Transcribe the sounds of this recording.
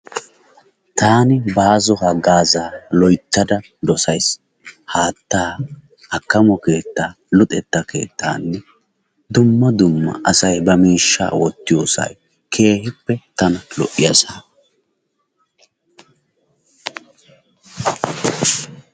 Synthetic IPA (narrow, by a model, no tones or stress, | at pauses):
t̪aːnɪbaːzɔhɐɡaːzaːlɔjt̪ːɐd̪ɐ | d̪ɔsɐjs | haːt̪ːaː | hɐkːɐmɔke̞ːt̪ːaː | lʊt̪ʼɛt̪ːɐkʰe̞̰ːt̪ːa̰ːnːɛ | d̪ʊmːɐd̪ʊmːɐ̰ʔɐsɐjbɐmiːʃːa̰ːwɔt̪ːɪjoːsɐ̰j | kʰe̞ːhɪpːɛt̪ɐnɐlɔʔɪjɐsaː